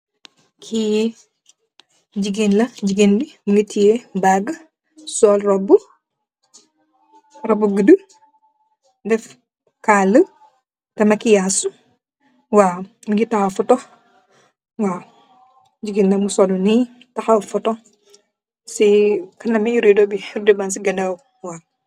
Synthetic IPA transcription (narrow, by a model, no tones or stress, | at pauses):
kʰi | d͡ʒiɡinlɐd͡ʒiɡinlimuŋɡitʰijebaɡ | sɔːlrɔbu | rɔbuɡədu | dɛf | kaːlə | tɐmɐkijasu | waː | miŋɡitɐxɐfɔtɔx | waː | d͡ʒiɡinlɐmusɔluni | tɐxɐfɔtɔ | sikɐnɐmɛjuɾidobiiɾdibansiɡɐnɛw | waː